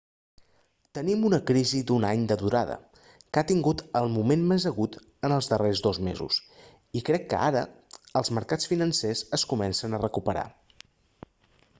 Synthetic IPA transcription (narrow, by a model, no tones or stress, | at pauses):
t̪ənimunəkɾizid̪unaɲd̪əðuɾaðə̰ | kat̪iŋɡut̪əlˠmumenmezəɣut̪ | ənəlˠzðərezðozmḛzṵs | ikɾɛkːə̰a̰ɾə̰əlˠzməɾkat͡sfinənsezəskumɛnsənərəkupəɾa̰